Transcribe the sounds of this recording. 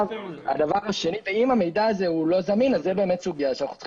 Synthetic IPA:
va̰d̪avaʁaʃe̞niveimame̞jd̪aːzeulo̞zaminazːebe̞ːme̞t̪suɡijaʃeanaχu̥t͡sχ

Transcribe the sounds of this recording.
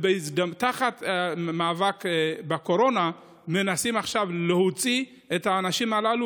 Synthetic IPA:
beisd̪amt̪aχat̪amaːvakbako̞ɾo̞na | me̞nasimaχʃavle̞hot͡si | et̪haːnaʃimalalu

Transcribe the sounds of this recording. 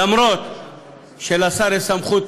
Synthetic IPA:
ɐmɾot̪̚ | ɕelɐsɐɾesɐmχut̪

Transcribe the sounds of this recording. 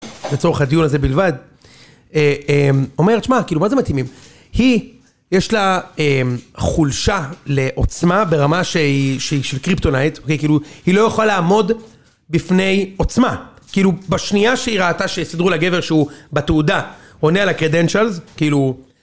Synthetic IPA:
bet͡so̞ʁeχad̪ijunaze̞bilvad̪ | eemo̞me̞ʁʃmakiːlumaze̞mat̪himim | hi | jeʃlaemχulʃaleʔo̞t͡smabe̞ʁamaʃeiʃeiʃelkʁipt̪o̞najt̪okejkiːluhilo̞jeχalaːmo̞d | bifne̞jo̞t͡sma | kiiːlubaʃniaʃeiʁaːtaʃesidʁulaɡeve̞ʁʃeubat̪uuda | onealakʁed̪e̞nʃalzkiiːlu

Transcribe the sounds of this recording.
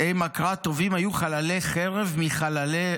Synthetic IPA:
ejmakʁat̪o̞vimhajuχalaleχeʁevmiχalale

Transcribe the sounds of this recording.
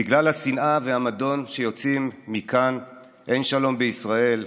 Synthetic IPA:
biɡlalhasinaveamado̞nʃe̞jo̞t͡simːikʰan | ʔe̞nʃalo̞mbeisʁae̞l

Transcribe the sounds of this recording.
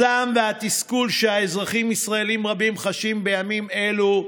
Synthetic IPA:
amve̞hat̪iskulʃehaezʁaχimisʁae̞limʁabimχaʃimbe̞jamime̞lu

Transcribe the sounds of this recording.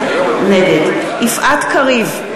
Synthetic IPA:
neɡed̪ | ʔifʔat̪kaʁiv

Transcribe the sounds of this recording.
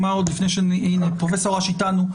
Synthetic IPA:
maod̪lifnejʃeninepʁofesoʁaʃit̪anu

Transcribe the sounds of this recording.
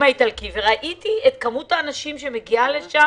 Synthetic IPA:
aitalkiveʁaʔitiet̪kamutaːnaʃimʃe̞me̞ɡialeʃa

